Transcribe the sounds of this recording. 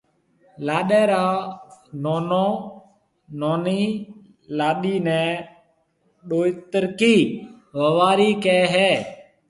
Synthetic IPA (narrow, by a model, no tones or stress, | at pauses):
laːɗɛːɾaːnoːnõː | noːniː | laːɗiːnɛ̃ː | ɗoːit̪əɾkiː | ʋəʋaːɾiːkɛːɦɛː